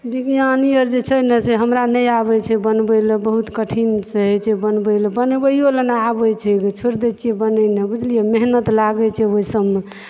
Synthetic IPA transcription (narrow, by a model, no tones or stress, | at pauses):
biɡjanijəɾd͡ʒet͡ʃʰəneseɦəmɾanəjabɛt͡ʃʰɛbənbələbəɦut̪kəʈʰinsəɦɛt͡ʃʰɛbənbələbənbəjolənabət͡ʃʰɛkt͡ʃʰuɾd̪et͡ʃʰiebənənebud͡ʒlijemeɦnət̪laɡɛt͡ʃʰɛoisəbme